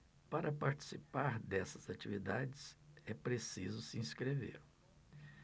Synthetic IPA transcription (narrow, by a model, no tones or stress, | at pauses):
paɾʔɐpaɾt͡ʃi̥sipaɾd̪ɛsɐzat͡ʃivid̪ad͡ʒɪsɛpɾesizʊsiĩskɾevḛɾ